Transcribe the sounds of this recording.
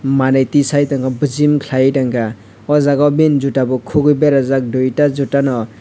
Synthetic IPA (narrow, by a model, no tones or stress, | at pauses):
manajtisajtaŋɡabɯzimkʰlajtaŋɡa | ɔzaɡabinzutabɔkʰuɡɯjbeɾazak̚dujtazutanɔ